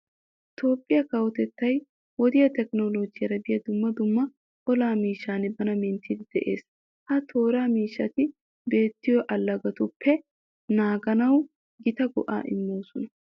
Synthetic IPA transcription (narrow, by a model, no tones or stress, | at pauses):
ʔɪt̪o̞ːpʼːɪjɐkɐwɔt̪ɛt̪ːɐj | wɔd̪ɪjɐt̪ɛknolod͡ʒɪjɐɾɐbɪjɐd̪ʊmːɐd̪ʊmːɐ | ʔɔlaːmiːʃːaːnɛbɐnɐmɛnt̪ʰid̪ɪd̪̥ɛʔe̞̰ːs | hɐt̪ʰo̞ːɾaːmiːʃːɐt̪ɪ | be̞ːt̪ːɪjɔʔɐlːɐɡɐt̪ʊpʰːɛ | naːɡɐnɐw | ɡɪt̪ɐɡɔ̰ʔa̰ːʔɪ̰mːoːsʊnɐ